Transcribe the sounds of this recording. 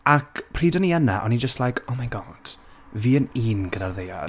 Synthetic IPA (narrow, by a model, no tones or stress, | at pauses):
akʰpʰriːdɔniɛnaʔɔnid͡ʒəstlˠajkʰowmajɡɔːd̥ | viːəniːnɡədarðeja̰